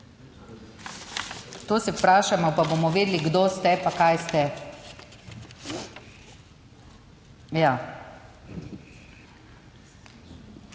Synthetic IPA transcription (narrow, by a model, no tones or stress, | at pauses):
t̪oːsɛpɾaːʃamɔpaboːmɔʋeːd̪liɡd̪ost̪ɛpakajst̪ɛ | jaː